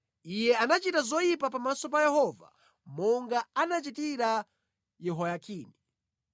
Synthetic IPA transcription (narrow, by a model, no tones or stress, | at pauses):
ijɛanat͡ʃitazɔjip̬apamasɔp̬ajɛhɔva̰ | mɔŋɡaanat͡ʃitiɾa | jɛɦɔjakʰiːni